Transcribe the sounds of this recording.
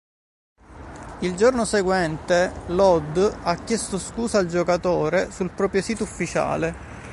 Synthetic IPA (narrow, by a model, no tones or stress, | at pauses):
ild͡ʒornoseɡwɛnt̪elɔd̪akːjest̪oskuːsaːld͡ʒokat̪oːɾesulpɾɔːpɾjosiːt̪oufːit͡ʃa̰ːle